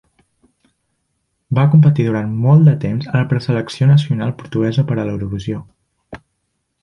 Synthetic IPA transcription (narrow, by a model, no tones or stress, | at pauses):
bakumpət̪iðuɾant̪mɔlˠd̪d̪ət̪emzələpɾəsələksionəs̬iunalˠpuɾt̪uɣɛzəpəɾələwɾuβizijo